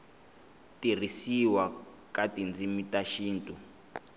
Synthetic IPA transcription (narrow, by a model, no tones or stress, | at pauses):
tir̤isiwa | katind͡zimitaʃiːntʼu